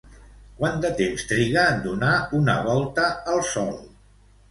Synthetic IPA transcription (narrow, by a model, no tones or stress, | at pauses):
kwand̪ət̪emst̪ɾiɣəːnd̪unaunə̰βɔlˠt̪əːlˠsɔlˠ